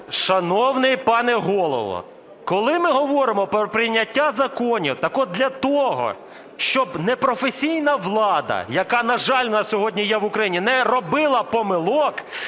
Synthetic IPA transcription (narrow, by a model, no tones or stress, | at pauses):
ʃɐnɔwnɪjpɑnɛɦɔlˠɔ̰ʋɔ̰ | kɔlˠɪmɪɦɔʋɔɾɪmɔpɾɔpɾʲɪjnʲɐtʲːazɐkɔnʲḭwt̪ɐkɔd̪d̪ʲlʲɐt̪ɔɦɔ̰ | ʃt͡ʃɔbnɛpɾɔfesʲijnɐʋlˠɑd̪ɐ̰jɐkɑnɐʒɑlʲʋnɐsʲɔɦɔdʲnʲijɛʋʊkɾɐjinʲinɛɾɔbɪlˠɐpɔmɪlˠɔk